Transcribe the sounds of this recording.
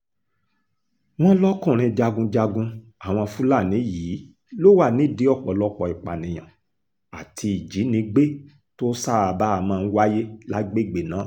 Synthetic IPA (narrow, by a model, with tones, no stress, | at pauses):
w̃ɔ̃˦lɔ˦kũ˦˨ɾ̃ĩ˧d͡ʒa˧ɡũ˧d͡ʒa˧ɡũ˧ | a˨w̃ɔ̃˧fũ˦la˦˨nĩ˨˦jiː˨˦ | lo˦wa˦˨nĩ˨˦i˦˨di˨˦ɔ˦˨k͡pɔ˨˦lɔ˦k͡pɔ˧˨i˨k͡pa˨nĩ˧j̃ã̰˨ | a̰˨tʰi˧i˨d͡ʒi˨˦nĩ˧˦ɡ͡be˦ | to˦sa˦˨a˨ba˦˨mãː˧n̩˦wa˦je˦la˦ɡ͡be˦˨ɡ͡be˨nã˨˦